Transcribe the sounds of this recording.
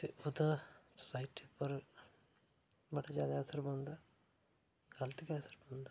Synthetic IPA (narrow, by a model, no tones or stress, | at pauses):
t̪eʔʊd̪asə̥saːɪʈipəɾ | bəɽad͡ʒjaːd̪aəsəɾbə̃nd̪aː | ɡɐlt̪ɪkəsəɾbə̃nd̪a